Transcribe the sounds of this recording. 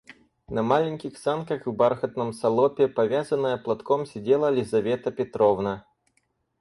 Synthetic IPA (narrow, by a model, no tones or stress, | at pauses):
nɐmalʲɪnʲkʲɪxsankɐxvbarxət̪nəmsɐlˠɔpʲɪpɐvʲazənːəjəplˠɐt̪komsʲɪdʲelˠəlʲɪzɐvʲet̪əpʲɪt̪ɾɔvnə